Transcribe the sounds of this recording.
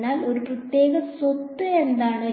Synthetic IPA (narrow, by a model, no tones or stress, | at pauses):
nːaːlo̞ɾuprɐt̪je̞ːɣɐsot̪ːɨe̞nd̪aːɳɨ